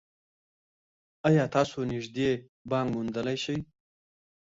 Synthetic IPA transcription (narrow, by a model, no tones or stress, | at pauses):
ajɑːt̪ɑːsonɪʐd̪e | bɑːŋɡmund̪əlajʃaj